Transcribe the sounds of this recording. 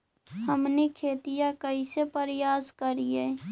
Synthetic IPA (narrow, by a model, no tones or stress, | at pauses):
həmnekʰeːt̪ijãkəisepəɾjaːskəɾieː